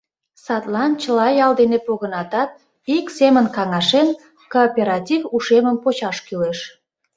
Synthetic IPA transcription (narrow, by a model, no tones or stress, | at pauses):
sɑt̪lɑnt͡ɕəlɑjɑld̪enepoɣənɑt̪ɑt̪̚ | iksemənkɑŋɑʃen | koːpʲeɾɑt̪ʲivuʃeməmpot͡ɕɑʃkyleʃ